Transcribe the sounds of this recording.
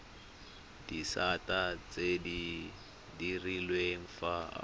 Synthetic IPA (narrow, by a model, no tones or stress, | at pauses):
disatat͡sedi | dirilweɱ̩fa̰